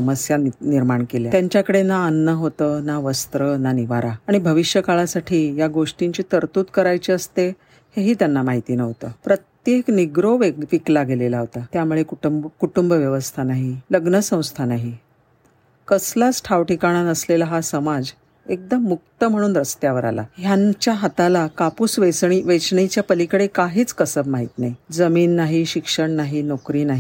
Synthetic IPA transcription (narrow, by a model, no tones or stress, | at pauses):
əməsjaniɾmaɳkeljat̪jaɲt͡ɕjakəɽenaːnːəɦot̪ənaʋəst̪ɾənaniʋaɾaaɽ̃ibʱəʋiʂjəkaɭasaʈʰiːjaɡoʂʈiɲt͡ɕiːt̪əɾt̪uːt̪kəɾajt͡ɕiəst̪e | heɦiːt̪janːamaɦit̪inəɦot̪əpɾət̪jekniɡɾoʋeʋiklaɡelelaɦot̪at̪jamuɭekukuʈumbəʋjəʋəst̪ʰanaɦiləɡnəsə̃w̃st̪ʰanaɦi | kəslasʈʰaʋʈikaɽ̃anəslelaɦasəmad͡z | ek̚d̪əmːuk̚t̪əm̤əɽuːnɾəst̪jaʋəɾa̰la̰ɦjat͡ɕjaɦat̪alakapuːsʋesɳiʋesɳet͡ɕjapəlikɽekaɦiːt͡skəsəbmaɦit̪naɦid͡zəmiːnːaɦiɕikʂəɳnaɦinɔkɾiːnaɦi